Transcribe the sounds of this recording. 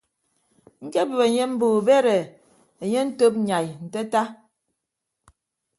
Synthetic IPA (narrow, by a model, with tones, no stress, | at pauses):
ŋ̩˦ke˦bə˨be˨ɲe˦m̩˦bu˨be˦ɾe˨ | e˨ɲe˦n̩˦to˦p̚ɲa˨jn̩˨te˦ta˦